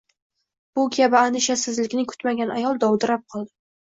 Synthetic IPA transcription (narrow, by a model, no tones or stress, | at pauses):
b̥ʊɡʲʰabɪand̪ɪʃasɪzlɪkʲnɪŋkʰʊ̥t̪maɡʲanajɒlˠd̪ɒwd̪ɪɾap̚qʰɒlˠd̪ɪ